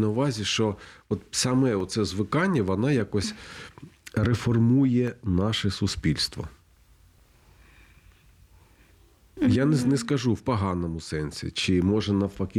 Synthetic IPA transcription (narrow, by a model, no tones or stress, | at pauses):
nɐʊʋɑzʲiʃt͡ʃɔɔt̪sɐmɛɔt̪sɛzʋɪkɑnʲːɐʋɔnɑjakɔsʲ | refɔrmujɛnɑʃɛsʊspʲilʲst̪ʋɔ̰ | jannɛskɐʒuwpɔɦɑnɔmʊsɛnsʲḭt͡ʃɪmɔʒɛnɐfɐkʲi